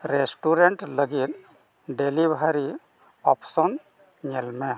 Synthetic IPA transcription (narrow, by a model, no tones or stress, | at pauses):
ɾesʈuɾeɳʈləɡit̪ | ɖelibaɾi | ɔpsɔn | ɲɛlmɛ